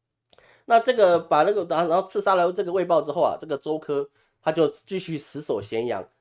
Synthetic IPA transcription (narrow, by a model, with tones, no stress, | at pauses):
na˥˧ʈ͡ʂɤ˥˩ɡə˨˩pa˨˩na˥˩ɡə˨˩na˧˥ɻo˥˧ʊt͡sʰɹ̩˥˩sa˥lə˧˥ʈ͡ʂɤ˥˩ɡə˩we˥˧ɪpɑ˥˧ʊʈ͡ʂɻ̩˥xo˥˩ʊɐ̰˩ʈ͡ʂɤ˥˩ɡə˩ʈ͡ʂo˥ʊkʰɤ˥ | t̪ʰa˥t͡ɕjo˥˩ʊt͡ɕy˥˧ɕy˥˩sɹ̩˧˥so˨˩ʊɕjɛ˧˥njɑ̰˧˥ŋ